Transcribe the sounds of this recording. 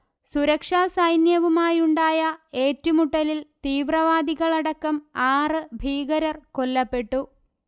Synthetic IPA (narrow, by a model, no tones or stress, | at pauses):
suɾɐkʂaːsɐjnjɐʋumaːjuɳɖaːjɐe̞ːtːumuʈːɐlilt̪iːʋrɐʋaːd̪iɣɐɭɐɽɐkːɐmaːrɨbʱiːɣɐɾɐrko̞lːɐpːe̞ʈːu